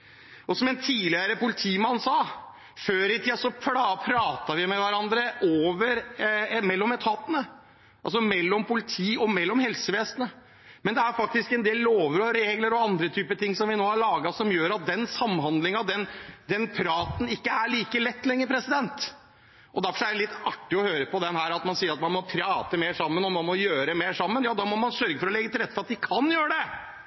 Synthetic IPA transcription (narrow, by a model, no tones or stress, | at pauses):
ʔɔsɔmɛnt̪ʰiːlɪəɾəpʊlɪt̪ʰiːmɑnsɑː | føːɾɪt̪ʰiːd̪sɔpʰɽɑːpʰɾɑːt̪ɑʋɪmɛʋæɾɑnd̪ɾəʔoːʋəɾmɛlːɔmɛt̪ʰɑːt̪ənə | ʔɑls̬ɔmɛlːɔmpʊlɪt̪ʰiːɔmɛlːɔmhɛlsəʋeːsnə | mɛnd̪ɛæɾfɑk̚t̪ɪskɛnd̪eːlːoːʋəɾɔɾeːɡləɾɔɑnd̪ɾət̪ʰyːpət̪ʰɪŋːsɔmʋɪnoːhɑɭɑːɡɑsɔmjøːɾɑt̪̚d̪ɛnsɑmːɦɑnd̪lɪŋɑd̪ɛnd̪ɛnpʰɾɑːt̪ən̩ɪkːəæɭiːkəlɛt̪ːlɛŋːəɾpʰɾɛsɪd̪ɛnt̪ | ʔɔd̪æɾfɔʂɔæɖɛlɪt̪ːɑʈːɪɔhøːɾəpɔd̪ɛnhæːɾɑt̪mɑnsiːəɾɑt̪mɑnmɔpʰɾɑːt̪əmeːʂɑmːənɔmɑnmɔjøːɾɛmeːʂɑmːənjɑːd̪ɑːmɔmɑnsœɾɡəfɔɾɔlɛɡːət̪ɪlɾɛt̪ːfɔɾɑt̪̚d̪ɪkʰɑnjøːɾəɖ̪ɛ